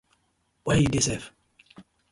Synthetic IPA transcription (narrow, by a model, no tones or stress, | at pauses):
waidesɛf